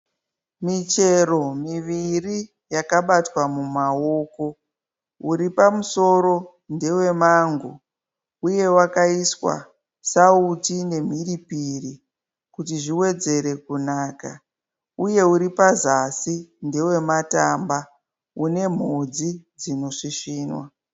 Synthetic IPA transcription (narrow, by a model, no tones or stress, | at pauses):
mit͡ʃe̞ro̞miʋiri | jakaɓatwamumaoːko̞ | uɾipamuso̞ɾo̞ | nde̞we̞maŋɡo | uje̞wakaiswa̰ | sautine̞m̤iripiri | kutiʐiwe̞d͡ze̞ɾe̞kunaːka | uje̞uɾipazasinde̞we̞matamba | une̞m̤od͡zid͡zino̞ʂiʂiːnwa̰